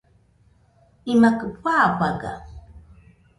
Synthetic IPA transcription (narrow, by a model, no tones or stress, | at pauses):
imakɨpʰʷaːpaɡa̰